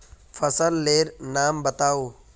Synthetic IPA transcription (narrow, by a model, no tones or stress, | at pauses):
fʰɐsəlːeːɾnaːmbɐt̪aːoː